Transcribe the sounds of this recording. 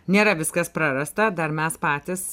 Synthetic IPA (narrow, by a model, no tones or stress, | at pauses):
nʲeːɾɐʋʲɪskɐspɾɐɾɐst̪ɐd̪ɐɾmʲɛspɑːt̪ʲɪs